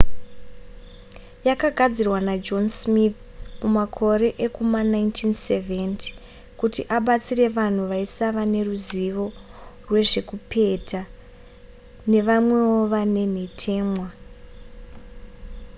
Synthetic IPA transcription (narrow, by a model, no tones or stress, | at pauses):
jakaɡʱad͡zirwanad͡ʒo̞nsmiθ | mumakʰo̞ɾe̞ʔekumanaintʰinseventi̥ | kutiʔaɓat͡sire̞ʋan̤uʋaisaʋane̞ruziʋo̞ | rwe̞ʐe̞kupʰe̞ta | ne̞ʋamwe̞wo̞ʋane̞n̤etʰe̞ːmwa